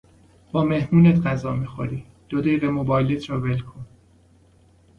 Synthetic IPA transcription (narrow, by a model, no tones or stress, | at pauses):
b̥ɒːme̞hmuːnet̪ɢæzɒːmiːxo̰ɾiː | d̪̥od̪ejʁemobɒːjlet̪ʰɾɒːvelkʰon